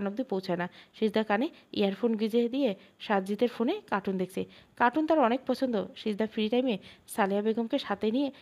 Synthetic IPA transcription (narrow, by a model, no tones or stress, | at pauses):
anob̚d̪ipowt͡ɕʰaenaʃiɾd̪ʱakaneḭaɾfʰonɡid͡ʑed̪ije | ʃad̪d͡ʑit̪eɾfonekaʈund̪ek̚ʰt͡ɕʰekaʈunt̪aɾɔnek̚pɔt͡ɕʰond̪oʃiɾd̪ʱafiɾiʈajmesaleabeɡomkeʃat̪enije